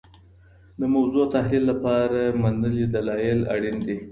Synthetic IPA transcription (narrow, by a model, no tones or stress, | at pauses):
d̪əmawzot̪ahlilːapɑɾamanəlid̪alɑjɪla̰ɽind̪i